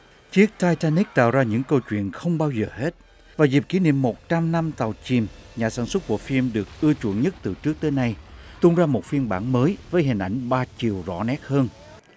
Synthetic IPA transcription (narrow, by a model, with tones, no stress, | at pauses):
t͡ɕi˨˦˥k̚t̪aː˧jt̪aː˧ni˦˥k̚t̪a̰ː˧˨wzaː˧ɲɨ̰˧˥ŋkə˧wt͡ɕwḭ˧˨ənxə˧wŋ͡mɓaː˧wzəː˨˩he˦˥t̚ | vaː˨˩zi˨˩p̚ki˨˧˦nḭ˧˨əmːo˨˩t̚t͡ɕa˧mna˧mt̪a˨˩wt͡ɕi˨˩mɲaː˨˩saː˧˩nswə˦˥t̚ku˧˩əfi˧mɗɨ˨˩ək̚ʔɨ˧ət͡ɕṵ˧˩ənɲə˦˥t̚t̪ɨ˨˩t͡ɕɨ˦˥k̚t̪əː˨˦jna˧jt̪u˧nzaː˧mo˨˩t̚fi˧nɓa̰ː˧˩nməː˨˦jvəː˨˦jɦï˨˩ŋ̟ʔa˧˩jŋ̟ɓaː˧t͡ɕi˨˩əwzɔ̰˧˥nɛ˦˥t̚həː˧n